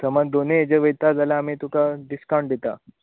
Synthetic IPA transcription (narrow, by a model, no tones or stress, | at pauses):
səmad̪oneed͡ʑəʋəjt̪ad͡zaljaːmit̪ukaɖiskawɳɖd̪et̪a